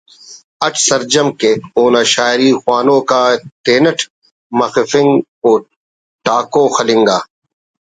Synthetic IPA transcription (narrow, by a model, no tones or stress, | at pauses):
ɐʈʰsɐɾd͡ʑɐmkeːoːnaːʃaːɾiːxwaːnõːkaːt̪eːnɐʈʰ | mɐxɪfɪŋɡ | oː | ʈaːkoːxɐlɪ̃ŋɡaː